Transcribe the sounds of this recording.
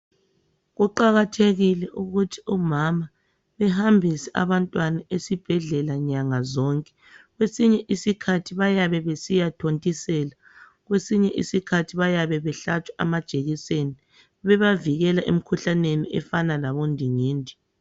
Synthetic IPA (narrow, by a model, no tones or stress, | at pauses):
ɣuǃaɣatʰeɣilɛʔuɣutʰi̥umama | βɛɦambʱisɛa̰βantʼwanaesib̥ʱɛɮɛlaɲaŋazɔŋkʼɛ̥ | ɣwesiɲɛʔisikʰatʰiβajaβɛβesijatʰontʼisɛːla | ɣwesiɲɛʔisikʰatʰiβajaβɛβɛɬat͡ʃʰwḁa̰mad̥ʒ̥ʱʼeɣiseni | βɛβaviɣɛlaʔem̩kʰuɬaneniʔɛfanalaβondʱiŋiːndʱi